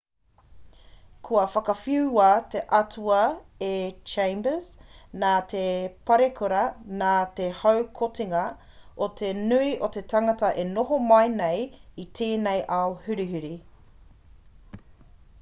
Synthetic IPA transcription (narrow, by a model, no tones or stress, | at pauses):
kʰuɐfɐkɐfiuwaːt̪eʔɐtʰuɐet͡ʃẽjmbəznaːt̪ʰepɐɾekʰoɾɐnaːt̪ehɐwkʰotiŋɐ | ot̪ʰenʉiʔot̪e̞tʰɐŋɐtɐʔenoɦomɐjnejit̪ʰeːnejʔaohʉɾiɦʉɾi